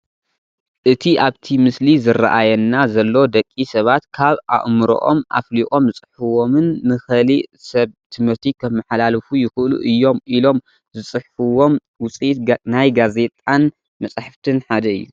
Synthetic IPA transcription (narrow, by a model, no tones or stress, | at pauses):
ʔɨt̪ʰiʔaβt̪ʰimɨslizɨrːa̰ʔajɐnːazɐlːo̞d̪ɐkʼːisɐβat̪kʰaβʔa̰ʔmɨɾo̰ʔo̰ma̰fliʔʼo̞mzɨt͡sʼɨħuwo̞mɨnːɨxɐlisɐβt̪ʰɨmɨɾt̪ʰikʰɐmːɐħalalɨfujɪxɨʔlṵʔɨjːo̞mʔilo̞m | zɨsʼɨħfɨwo̞m | wʊt͡sʼit̪najɡaze̞t̪ʼan | mɐt͡sʼaħaft̪ʰɨnħad̪ɐɨ̰jːṵ